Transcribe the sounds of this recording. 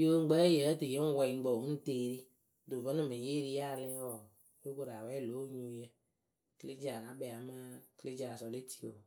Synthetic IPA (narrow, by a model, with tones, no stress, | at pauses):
jo˦ŋ͡m̩˦ɡ͡bə˦jə˨˦tɨ˨je˦ŋ̩˦wɛ˨i˨ŋ˦ɡ͡bo˨˦n̩˦teː˦˨ɾi˦ | do˨və˦nɨ˦˨mɨ˨je˦ɾi˦ja˦˨lɛ̃˦wɔ˨ | jo˦ko˨ɾa˨wɛ˦lo˨˦ɲu˦jə˦ | kə˦le˦d͡ʒa˨ka˨˦bɛ˨a˨ma˦kə˦le˦d͡ʒa˨sɔ˨le˦ti˦˨o˨